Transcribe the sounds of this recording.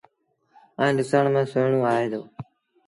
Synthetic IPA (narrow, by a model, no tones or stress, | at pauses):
ãːɾɪsaːɳmẽːsʊːɳõːaːɦeːd̪oː